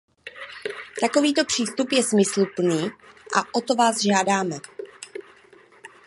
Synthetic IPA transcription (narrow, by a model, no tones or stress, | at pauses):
t̪ako̞viːt̪o̞pr̝̥iːst̪upjɛsmɪsluplniːʔaʔo̞t̪o̞vaːzʒaːdaːmɛ